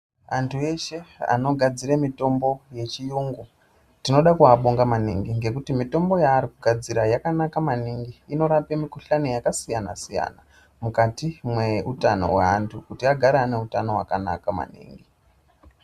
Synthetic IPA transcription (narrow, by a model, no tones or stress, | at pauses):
antʰue̞ʃe̞a̰no̞ɡʱad͡ziɾemito̞mbo̞je̞t͡ʃijuːŋɡu | tino̞ɗakuaɓoŋɡamanḭŋɡiŋɡe̞kutimito̞mbo̞jaːrikuɡʱad͡ziɾajakanakamaniŋɡiːno̞ɾape̞mikuɬanijakasijana̰sija̰na | mukatimwe̞utano̞̰wḛantʰukutiaɡʱaɾaːne̞utano̞ɦwa̰kana̰kama̰nḭːŋɡi